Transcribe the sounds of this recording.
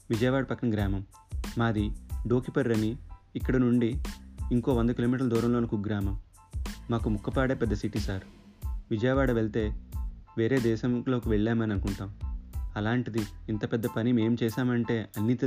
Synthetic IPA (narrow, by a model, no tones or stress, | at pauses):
ʋid͡ʒɐjɐʋaːɽɐpɐkːɐnɡɾaːmɐmː | aːd̪iɖo̞ːkipɐɾːɐniːkːɐɽɐnuɳɖiːŋko̞ːʋond̪ɐk̬iloːmiːʈɐɾlɐd̪uːɾɐmloːnɐkuk̚ɡɾaːmɐmː | aːkumukːɐpaːɽeːpɛd̪ːɐsiʈisaːɾ | ʋid͡ʒɐjɐʋaːɽɐʋeɭt̪e̞ːʋe̞ːɾe̞ːd̪ɛːʃɐmlo̞ːkiʋɛɭːaːmɐniɐnukuɳʈaːmɐlaːɳʈid̪iint̪ɐpɛd̪ːɐpɐnime̞ːmt͡ʃɛːʃaːmɐɳʈe̞ːɐnːit̪i